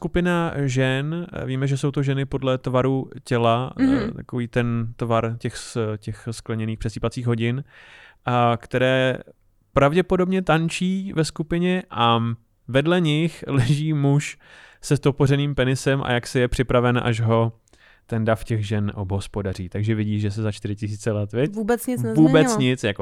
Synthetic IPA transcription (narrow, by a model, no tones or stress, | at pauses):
skupɪnaʒɛnviːmɛʒɛso̞wt̪oʒɛnɪpo̞dlɛt̪vaɾucɛlat̪akoviːt̪ɛnt̪vaɾcɛxscɛxsklɛɲɛniːxpr̥ɛsiːpat͡siːɣɦo̞ɟɪn | kt̪ɛɾɛː | pɾavɟɛpo̞do̞bɲɛt̪ant͡ʃiːvɛskupɪɲɛʔa | vɛdlɛɲɪxlɛʒiːmuʃ | sɛst̪oporɛniːmpɛnɪsɛmʔa̰jaksɛjɛpr̥ɪpɾavɛnʔa̰ʒɦo̞ | t̪ɛndafcɛɣʒɛnʔobɦo̞spo̞dar̝iːt̪aɡʒɛvɪɟiːʒɛs̬ɛzat͡ʃt̪ɪɾɪcɪs̬iːt͡sɛlɛt̪vjɛcubɛt͡sɲɪvuːbɛt͡sɲɪt͡sjako